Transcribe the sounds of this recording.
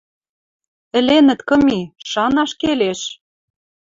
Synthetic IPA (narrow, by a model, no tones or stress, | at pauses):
ɘ̆lenɘ̆t̪kɤ̆miʃɑnɑʃkeleʃ